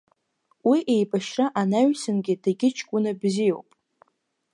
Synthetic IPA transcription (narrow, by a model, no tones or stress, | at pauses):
wiʔe̞jbaʃraʔanaɥsɨnɡʲɪdaɡʲɪt͡ʃʰkʷʼʊnabzijo̞̰wpʼ